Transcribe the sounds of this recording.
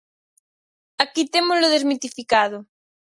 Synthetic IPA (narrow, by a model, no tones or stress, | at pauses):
akit̪emozloð̞ezmit̪ifikað̞ʊ